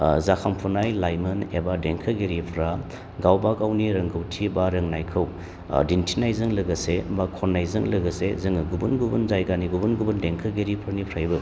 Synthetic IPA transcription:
zakʰampʰunajlajmɐnebadeŋkʰɐɡeɾipʰɾa | ɡawbaɡawniɾɐŋɡɯwtʰibaɾɐŋnajkʰɯw | dintʰinajzɯŋlɐɡɐsebakʰɔnːajzɐŋlɐɡɐsezɯŋɐɡubunɡubunzajɡaniɡubunɡubɐndeŋkʰɐɡeɾipʰɾanipʰɾajbɯ

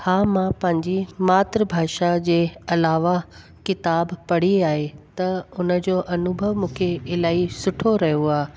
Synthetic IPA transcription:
haːmãpɐ̃ɦɪ̃ɲd͡ʑimaːt̪ɾəbʱaːʃad͡ʑeːɐlaːʋa | kɪt̪aːbpɐɽ̤iaːɦet̪ɐʊnə̆d͡ʑoːʔɐnʊbʱəʋmũːkʰeɪlaːisʊʈʰoɾɐɦijoaː

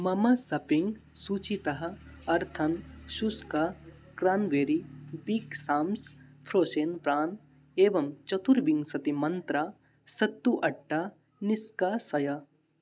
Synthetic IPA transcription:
mɐmɐsɐpiŋɡ | suːt͡ʃit̪ɐɦɐ̆ɐɾt̪ʰɐnʃuskakɾaːnʋeːɾibiːksaːmspʰɾoːseːnpɾaːn | eːʋɐmt͡ʃɐt̪uɾbiŋɡsɐt̪imɐnt̪ɾaː | sɐt̪ːuʔɐʈːa | nɪskaːsɐja

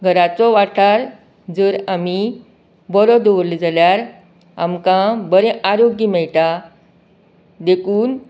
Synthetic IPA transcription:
ɡʱəɾat͡sɔʋaʈaɾ | d͡zəɾami | bɔlɔd̪oʋɾlid͡zaljaɾ | a̰mkãbəɾɛ̃ʔaɾoɡimɛɭʈ̪a | d̪ekuːn

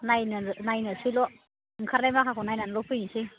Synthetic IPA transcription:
najnanajnɯsilɔ | ŋkʰaɾlajmakʰakʰonajnanlɔpʰɯjnisi

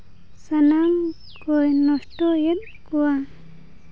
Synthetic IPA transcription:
sanam | kɔjnɔsʈɔjet̪̚ | kuwa

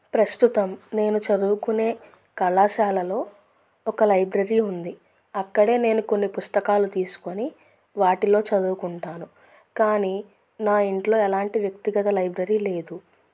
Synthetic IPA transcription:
pɾɐst̪ut̪ɐmne̞ːnut͡ʃɐd̪uːkune̞ː | kɐɭːaːʃaːlɐlo̞ː | ɔkɐlɐjbɾɐɾiːund̪i | ɐkːɐɽe̞ːne̞ːnuko̞nːipust̪ɐkaːlut̪iːsu̥koni | ʋaːʈilo̞ːt͡ʃɐd̪uːkuɳʈaːnu | kaːniː | naːiɳʈlo̞ːɛlaːɳʈiʋjɐkt̪iɡɐt̪ɐlɐjbɾɐɾiːle̞ːd̪u

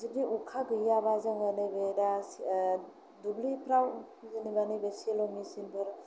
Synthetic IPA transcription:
zidiukʰaɡɯjabazaŋanɯjbeɾas | dublipʰɾaw | zanibanɯjbesielɔmisinbʰɯɾ

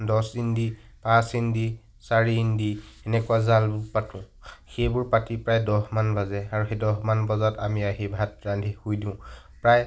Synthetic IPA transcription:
dɔsindi | pãsindi | saɹiːndiɛnɛkuazalbʊɹpatʊ̃ | xejbʊɹpatipɹajdɔɦmanbazɛaɹuxedɔɦmanbɔzatamiaɦibʱat̚ɹandʱihojdĩʊ̃ | pɹaj

